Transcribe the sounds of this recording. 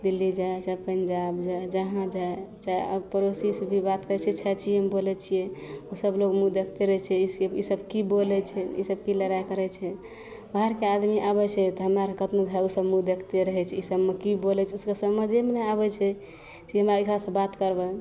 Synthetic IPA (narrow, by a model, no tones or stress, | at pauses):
d̪ilːid͡ʒat͡ʃapənd͡ʒabd͡ʒaed͡ʒəɦãd͡ʒaet͡ʃaə̰pəɾosisbʱibat̪kəɾɛt͡ʃʰɛt͡ʃʰɛt͡ʃʰijɛmbolɛt͡ʃʰijeusəblokmud̪ekʰt̪eɾəɦɛt͡ʃʰɛiseisəbkibolɛt͡ʃʰɛḭsəb̚kiləɾajkəɾɛt͡ʃʰɛ | baɦəɾkead̪miʔabɛt͡ʃʰɛt̪ɔɦəmɾaɾkət̪nod̪ʱəɾausəbmud̪ekʰt̪eɾəɦɛt͡ʃʰɛisəbmekibolɛt͡ʃʰɛuskəsəməd͡ʒemeneaβɛt͡ʃʰɛ | t͡ʃiɦəmɾaekɾasə̃bat̪kəɾbə